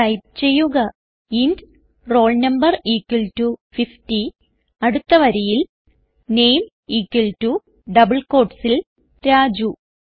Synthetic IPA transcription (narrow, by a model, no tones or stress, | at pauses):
ɐjp̚t͡ɕe̞jːuɣɐ | ind | ro̞ːɭnɐmbɐriːkːwɐltufifti | ɐɽut̪ːɐʋɐɾɐjil | ne̞jm | iːkːɐltu | ɖɐbɨɭko̞ːʈsil | ɾaːd͡ʑu